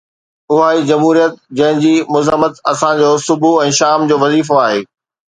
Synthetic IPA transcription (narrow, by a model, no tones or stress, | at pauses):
ʊɦaːid͡ʑɐmɦuːɾijət̪̚d͡ʑɐ̃ɦɪ̃d͡ʑiːmʊzəmət̪ɐsãd͡ʑoːsʊbʱuɛ̃ːʃaːmd͡ʑoːʋɐziːfoaːɦeː